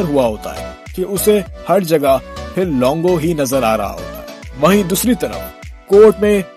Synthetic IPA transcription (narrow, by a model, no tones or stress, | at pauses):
əɾɦuaɦoːt̪a̰ɦɛ̰ː | keʔʊsehɐɾd͡ʒɐɡapʰɪɾlɔ̃ːŋɡoɦinɐzəɾaːɾɐ̰ɦa̰ɦo̰ːt̪a̰ɦɛʋɐɦĩd̪uːsɾit̪ɐɾə̰fkoːʈmẽ